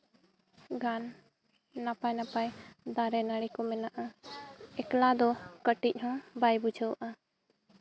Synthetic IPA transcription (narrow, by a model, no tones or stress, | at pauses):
ɡanː | apajnapajd̪aɾɛnaɽikɔmɛnaʔa | ɛklad̪ɔkəʈic̚ˀhɔ̃bajbud͡ʒəwʔa